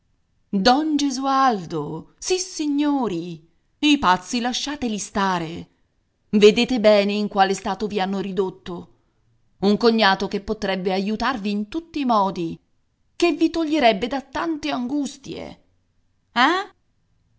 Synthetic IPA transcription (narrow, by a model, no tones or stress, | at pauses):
d̪ɔnd͡ʒezuald̪osisiɲːoːɾi | ipat̪sːilaʃːaːt̪elist̪aːɾe | ved̪eːt̪ebɛːneiŋkwaːlest̪aːt̪ovianːoɾid̪ot̪ːo | uŋkoɲːaːt̪okepːot̪ɾɛbːeajut̪arviːnt̪ut̪ːiːmɔːd̪i | kevːit̪oʎːeɾɛbːed̪at̪ːant̪eaŋɡust̪jḛ | ɛ